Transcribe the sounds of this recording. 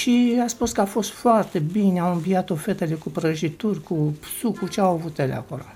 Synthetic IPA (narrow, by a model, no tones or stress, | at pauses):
ʃiaspuskəafo̞st̪foart̪e̞binawɨmbiat̪o̞fet̪elekupɾəʒit̪urʲkusukut͡ʃeawavut̪elḛa̰kolo